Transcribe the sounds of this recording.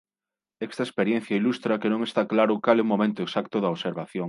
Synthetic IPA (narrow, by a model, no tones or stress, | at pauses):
est̪ɐespeɾjen̟θjailust̪ɾɐkenõŋest̪aklaɾʊkaleumːomẽnt̪oeksakt̪ʊðɐoβseɾβaθjoŋ